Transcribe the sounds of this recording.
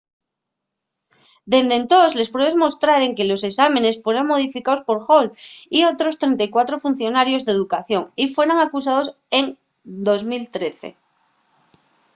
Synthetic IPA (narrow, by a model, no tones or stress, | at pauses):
d̪e̞nd̪e̞nt̪osle̞spɾe̞βemo̞st̪ɾaɾe̞ŋke̞lo̞se̞samẽ̞ne̞sfwe̞ɾoŋmo̞ð̞ifikaospo̞ɾxo̞lio̞t̪ɾo̞st̪ɾẽ̞nt̪ajkwat̪ɾo̞fun̟θjo̞naɾjo̞zðe̞ðukaθjo̞ŋifwe̞ɾoŋakus̬að̞o̞s | e̞ŋ | d̪o̞zmilt̪ɾe̞θḛ